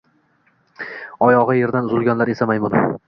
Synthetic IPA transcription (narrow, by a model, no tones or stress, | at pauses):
ɒjɒʁɑje̞ɾd̪anʊzɪlˠɡʲɒnlaɾe̞samajmʊn